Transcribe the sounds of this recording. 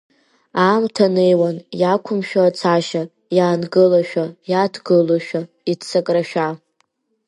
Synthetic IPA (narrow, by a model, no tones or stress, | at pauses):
amtʰanejwanjakʷʰʊmʃᶣaːt͡sʰaʃa | jaːnɡɨlaʃᶣajatʰɡɨloʃᶣa | itt͡sʰakʼraʃᶣa